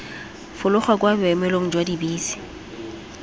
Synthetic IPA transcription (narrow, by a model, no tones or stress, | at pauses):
fʊlʊχwakʼwabɛmɛloŋ̩d͡ʒwadibiːsi̥